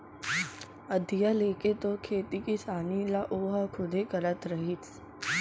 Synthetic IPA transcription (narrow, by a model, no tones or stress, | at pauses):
əd̪ʱijaleːket̪okʰeːt̪ikisaːnilaʔoːɦakʰʊd̪ʱekəɾət̪ɾəɦit͡sʰ